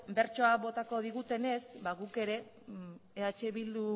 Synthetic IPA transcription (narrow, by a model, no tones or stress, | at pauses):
be̞ɾt͡ʃo̞aβo̞t̪ako̞ð̞iɣ̞ut̪e̞ne̞sbaɣuke̞ɾe̞ː | at͡ʃe̞βild̪u